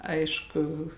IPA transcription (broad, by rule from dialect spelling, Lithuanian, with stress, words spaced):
ˈɐɪʃkʊ